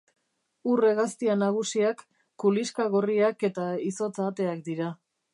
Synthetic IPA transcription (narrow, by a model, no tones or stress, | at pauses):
ureɣast̪ianaɣ̞usiakː | uliskaɣo̞riake̞t̪aiso̞t͡sat̪e̞ak̚d̪iɾa